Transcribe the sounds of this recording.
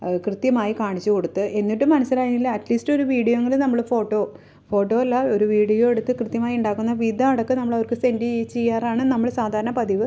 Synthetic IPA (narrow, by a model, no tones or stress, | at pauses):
krɨt̪jɐmaːjikaːɳit͡ɕːuko̞ɽut̪ːɨʔe̞nːiʈːumːɐnɐsilaːjinːilːɐɐʈliːsʈo̞ɾuʋiːɽijoŋɡilɨnɐmːɐɭfo̞ːʈːo̞ː | fo̞ːʈːo̞ːɐlːɐoɾuʋiːɽijo̞ːe̞ɽut̪ːɨkrɨt̪jɐmaːjiuɳɖaːkːunːɐʋid̪ʱɐɐɽɐkːɨnɐmːɐɭɐʋɐrkɨse̞ndiejt͡ɕːejːaːraːɳɨnɐmːɐɭsaːd̪ʱaːɾɐɳɐpɐd̪iʋɨ